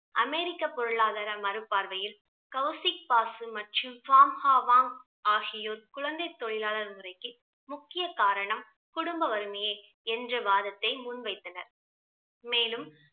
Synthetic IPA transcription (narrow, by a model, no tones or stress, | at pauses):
ʔɐmeːɾɪkːɐpɔɾɯɭaːðɐɾɐmɐɾɯpːaːɾʋɐjɪl | kɐʊsɪk̚paːsɯmɐʈrɯmfaːmhaːʋaːŋ | aːɣɪjoːɾkʊɻɐnd̪ɐɪt̪ːɔɭɪlaːlɐɾmɯrɐɪkːɯ | mʊkːɪjɐkaːɾɐɳɐm | kʊɽʊmbɐʋɐɾɯmɐjeː | ɛndrɐʋaːðɐt̪ːɐɪmunʋɐɪt̪ːɐnɐɾ | meːlɯm